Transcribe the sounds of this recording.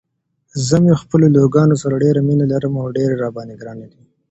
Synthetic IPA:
zəmexpəloloɡɑnosaɾaɖeɾaminalaɾəmawɖeɾeɾɑbɑneɡɾɑned̪i

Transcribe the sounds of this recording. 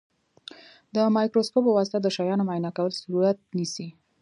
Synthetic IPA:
d̪əmɑjkɾoskopəwɑsɪ̥t̪ad̪əʃajɑnomajnakawəlsaɾuɾat̪̚nisi

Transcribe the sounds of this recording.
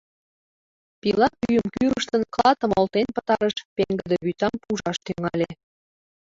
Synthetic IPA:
pilɑpyjəmkyɾəʃt̪ənklɑt̪ə̆molt̪enpə̥̆t̪ɑɾəʃpeŋɡəd̪eβyt̪ɑmpuʒɑʃt̪yŋɑlʲe

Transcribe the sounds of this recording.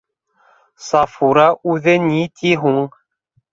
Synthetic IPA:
sɑfuɾɑʔʉðɘnʲit̪ʲʰiɦuŋ

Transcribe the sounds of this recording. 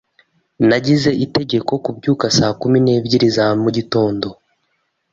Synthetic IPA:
naɟize̞ʔite̞ɟe̞ko̞kubɟuːkasaːkumine̞bɟiɾizamuɟito̞ːndo̞

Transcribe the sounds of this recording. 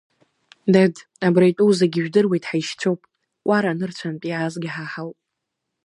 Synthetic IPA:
dad | abrajtʼuzaɡʲɪʒᶣdɨrwe̞jtʼħaiʃt͡sʷʰowpʼ | wʷaɾanɨrt͡ɕʷʰanpʼiʕazɡʲɪħaħawpʼ

